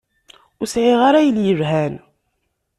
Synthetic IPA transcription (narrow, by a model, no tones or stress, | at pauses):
ʊsʕiʁaɾajəljəvɦæn